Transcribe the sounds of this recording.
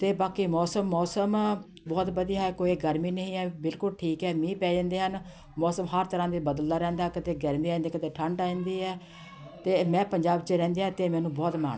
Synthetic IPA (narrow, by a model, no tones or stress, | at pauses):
t̪eːbaːkiːmɔːsəmːɔːsəm | bɔːt̪bəd̪ijaːɦɛːkoːiːɡəɾmiːnəɦĩːɛːbɪlkʊlʈʰiːkɛːmĩːpɛːd͡ʒãːnd̪eːɦən | mɔːsəmɦəɾt̪əɾãːd̪eːbəd̪əlːaːɾɛ̃ːnd̪aːkət̪eːɡəɾmiːãnd̪eːkət̪eːʈʰəɳɖãːnd̪iːɦɛː | t̪eːmɛ̃ːpəɲd͡ʒaːbt͡ʃəɾɛ̃ːnd̪eːaːt̪eːmɛ̃ːnũːbɔːt̪ma̰ːɳ